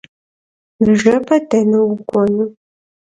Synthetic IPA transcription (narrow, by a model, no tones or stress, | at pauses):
nɨʒɐpʰɐdʰɐnɨwʊɡʷʼɔnɨ